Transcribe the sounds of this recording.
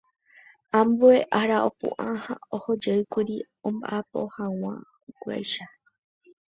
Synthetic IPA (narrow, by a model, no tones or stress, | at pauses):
ãmbueʔaɾaopṵ̃ʔãhãohod͡ʒeɨkʷuɾi | õmba̰ʔapo̰hãw̃ã̰ | ukʷua̰jʃa